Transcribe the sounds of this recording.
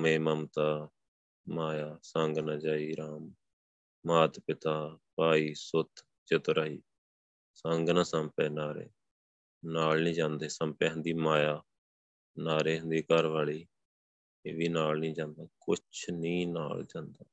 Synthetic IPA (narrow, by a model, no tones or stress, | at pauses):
mẽːməmt̪aː | maːjaːsəŋɡnaːd͡ʒaːiːɾaːmː | aːt̪pɪt̪aːpaːiːsʊt̪ʰ | t͡ʃɪt̪ɾəiː | səŋɡnãːsəmpɛːnaːɾḛː | naːlnĩːd͡ʒãːnd̪eːsə̃mpɛːɦə̃nd̪iːmaːjaː | naːɾeːɦʊnd̪iːkəɾʋaːɭiː | eːʋiːnaːlnĩːd͡ʒãːnd̪aːkʊt͡ʃʰnĩːna̰ːld͡ʒãːnd̪aː